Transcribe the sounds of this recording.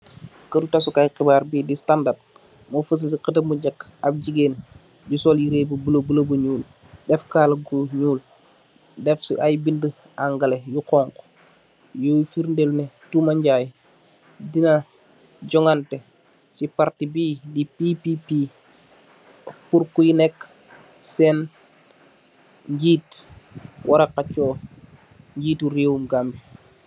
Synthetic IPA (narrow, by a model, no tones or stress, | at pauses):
kətutasukajqibaːɾbiːdistandad̚ | mofəs̬ənsiqətəmuɟakːab̚d͡ʒiɡeːn | ɟusɔljiɾeːbubəlobəlobuɲuːl | dɛfkaːlɡuɲuːl | dɛfsḭʔajbində | aŋɡɐlejukɔːŋkɔ̥ | jojfiɾndelnɛtumaɲɟaːj | dina | d͡ʒɔŋante | sipaɾtibiːdipipipi | puɾkujinɛkː | sɛn | ɲɟiːt | wʔaɾakat͡ʃɔː | ɲɟiːtuɾeːwumɡambi